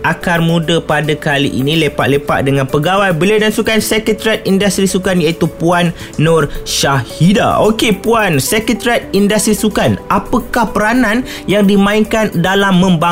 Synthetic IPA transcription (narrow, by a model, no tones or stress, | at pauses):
ʔakarmũdəpadakalḭʔḭnĩlepaʔ̪̚lepa̰ʔ̚dəŋãnpəɡawajbəliadansukansɛkət̪ɾiat̪̚indast̪ɾisukanjait̪upuanː | ɔ̃rʃahida̰okepuansɛkət̪ɾiat̪̚indast̪ɾisukanapəkahpəɾanãn | jaŋdimãiŋkandalamːə̃mba